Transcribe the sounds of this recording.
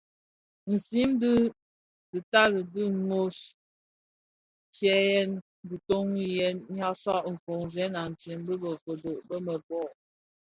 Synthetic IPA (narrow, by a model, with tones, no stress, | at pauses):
n̩˨si˦mdi˦ | di˨ta˦lə˨di˦ŋo˦s | t͡ʃjɛ˦jɛ˦n | bi˨to˦ŋwi˦jɛ˦nɲ˦a˦sa˦ʔŋ̩˨ko˨ŋzɛ˨˦na˨n̩˨t͡ʃi˨˦mbə˦bə˨ko˨do˨ʔbə˦mə˨bɔ˦˨ʔ